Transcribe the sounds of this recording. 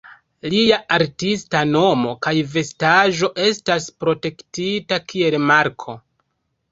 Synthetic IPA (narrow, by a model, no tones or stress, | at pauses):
liaʔaɾtistano̞mo̞kajve̞staʒo̞ʔe̞staspɾo̞te̞ktitakʰie̞lmaɾkʰo̞